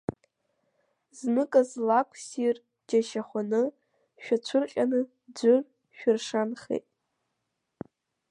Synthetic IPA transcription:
znɨkʼazlakʷʰsir | d͡ʒaʃaχʷanɨ | ʃᶣat͡ɕʷʰʊrqʲʼanɨ | d͡zʷʊr | ʃᶣʊrʂanχḛjtʼ

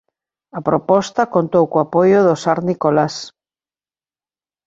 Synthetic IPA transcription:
ɐpɾopɔst̪ɐkont̪owkoapojʊðosaɾnikolas

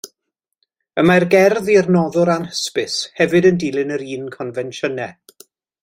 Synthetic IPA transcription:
əmarɡɛrðirnɔðʊɾanhə̥spɪshɛvɨdəndiːlˠɪnəɾiːnkʰɔnvɛnʃənɛ

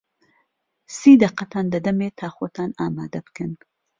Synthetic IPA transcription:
siːd̪ɐqːɐt̪ʰaːnd̪ɐd̪ɐmeːt̪ʰaːxoːt̪ʰaːnaːma̰ːd̪ɐbɨ̥kɨn

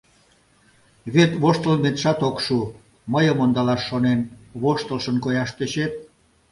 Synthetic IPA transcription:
βet̪βoʃt̪əlmet̪ʃɑt̪okʃu | məjəmond̪ɑlɑʃːonenβoʃt̪əlʃənkojɑʃt̪eɕet̪̚

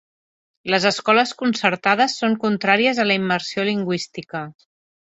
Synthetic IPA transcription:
ləzəskɔləskunsəɾt̪að̞əsːoŋkunt̪ɾaɾiəzələimːəɾsioliŋɡwist̪ikə

